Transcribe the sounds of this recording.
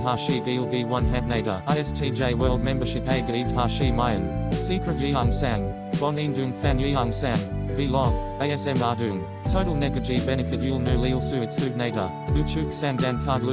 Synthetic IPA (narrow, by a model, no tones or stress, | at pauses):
ɦɑʃivilˠviwʌ̃nɦæ̃nneɪɾə̰aɪɛstʰid͡ʒeɪwɜ˞lˠd̚mɛ̃mbə˞ʃɪpeɪɡəɾidhɑʃimaɪə̃nsikʰɹ̥ətiaŋsæ̃n | b̥ɔ̃nĩndʉ̃nfæmliɑŋsæ̃nvilɔ̃n | eɪɛsɛ̃mɑdʉ̃n | tʰoʊɾəl̩ˠnɛɡəd͡ʒibɛnɨfɪtjulˠnʉlilˠsʉɨtsʉvneɪɾə̰ | ʉt͡ʃʰʉksæ̃ndæ̃nkʰɑdlʉ